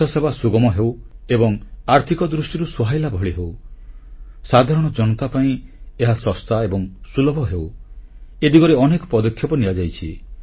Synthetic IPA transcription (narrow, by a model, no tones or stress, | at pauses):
ɔsebasuɡɔmɔɦewebɔŋaɾt̪ʰikɔd̪ɾusʈiɾusuɦajlabʱɔɭiɦew | sad̪ʱaɾɔɽ̃ɔd͡ʒɔnɔt̪apaĩeɦasɔst̪aebɔŋsulɔbʱɔɦew | ed̪ikɔɾeɔnekɔ̥pɔd̪ɔkʰːjɔpɔniad͡ʒajt͡ʃʰi